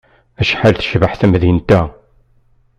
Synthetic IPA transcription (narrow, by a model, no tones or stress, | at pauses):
æʃħalθəʃvəħθæmðint̪æ